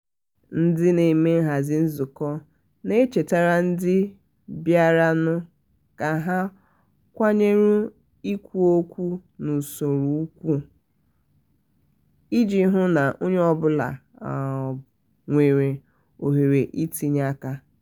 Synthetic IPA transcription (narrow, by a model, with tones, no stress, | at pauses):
n̩˦dɪ˦ne˨me˦ɦa˨zɪ˦n̩˦zʊ˨kɔ˦ | ne˦t͡ʃe˨ta˦ɾa˦n̩˦dɪ˦ | bja˦ɾa˦nʊ˦ | ka˨ɦa˦ | kʷa˦ɲe˦ɾu˦ | i˦kʷu˦o˦kʷu˦nu˨so˨ɾu˨˦u˦kʷu˦ | i˦d͡ʒi˦ɦʊ˦na˨ʔo˦ɲ˦ɔ˦bʊ˦la̰˨ | ŋʷe˨ɾe˨ | o˨ɦe˨ɾe˨ʔi˦ti˦ɲa˦ka˦